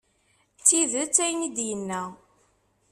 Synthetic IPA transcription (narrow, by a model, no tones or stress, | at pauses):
t͡sːiðət͡sːæjnid̪jənːæ